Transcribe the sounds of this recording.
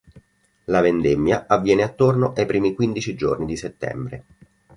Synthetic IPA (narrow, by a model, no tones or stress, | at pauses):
lavend̪emːjaʔavːjɛːneat̪ːornoʔejpɾiːmikwind̪it͡ʃid͡ʒo̰rnid̪iset̪ːɛ̰mbɾḛ